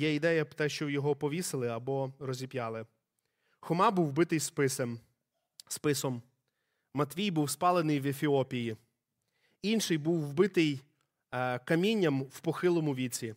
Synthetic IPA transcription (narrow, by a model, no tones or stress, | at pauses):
jɛid̪ɛjɐt̪ɛʃt͡ʃɔwjɔɦɔpɔʋʲisɪlˠɪɐbɔrɔzʲipʲjɑlˠɪ | xɔmɑbuwbɪt̪ɪjspɪsem | spɪsɔmː | ɐt̪ʋʲijbuwspɑlˠenɪjʋefʲiɔpʲiji | inʃɪjbuwːbɪt̪ɪj | kɐmʲinʲːɐmwpɔxɪlˠɔmʊʋʲit͡sʲi